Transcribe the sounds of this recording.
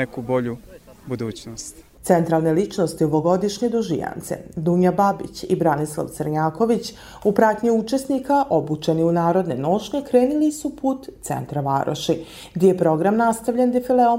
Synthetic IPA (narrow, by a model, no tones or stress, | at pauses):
ekuboʎu | bud̪uːt͡ɕnost̪t̪sent̪ɾalˠne̞lit͡ʃnost̪ioʋoɡo̞d̪iʃɲe̞d̪uʒḭja̰nt̪sḛd̪uːɲababḭt͡ɕibɾanislˠa̰ʋt̪səɾɲaːko̞ʋit͡ɕ | upɾaːt̪ɲiut͡ʃe̞snikaʔobut͡ʃe̞niunaːɾo̞d̪ne̞̰noːʃɲekɾe̞ːnilisupuːt̪t̪sḛnt̪ɾaʋa̰ɾʔo̰ʃi | ɡd̪ejepɾo̞ɡɾamnast̪aʋʎend̪ifileo